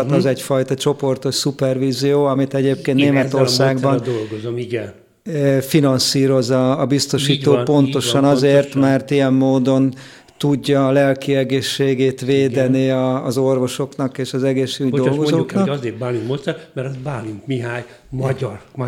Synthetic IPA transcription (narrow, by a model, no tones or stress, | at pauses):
t̪ɒzɛcfɒjt̪ɒt͡ʃo̞po̞rt̪oʃsupɛrʋiːzijoːɒmit̪ɛɟeːp̚keːnt̪neːmɛt̪o̞rsaːɡbɒnd̪olɡozomiɡɛn | finɒnsiːɾo̞zɒːbist̪o̞ʃiːt̪oːpo̞nt̪o̞ʃɒnɒzeːrt̪mɛrt̪ijɛmːoːd̪o̞n | t̪uɟːɒːlɛlkiɛɡeːʃːeːɡeːt̪ʋeːd̪ɛniɒːzo̞rvo̞ʃo̞knɒkeːʃɒzɛɡeːʃyɟdo̞lɡɡozooknɒkɒzeːt̪baːluŋkmot̪sɛmɛɾɛsbaːluŋkmiɦaːɲ | mɒr